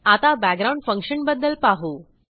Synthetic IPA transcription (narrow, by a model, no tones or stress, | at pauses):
at̪abæɡ̚ɡɾaw̃ɳɖfə̃ŋkʂənbəd̪ːəlpaɦuː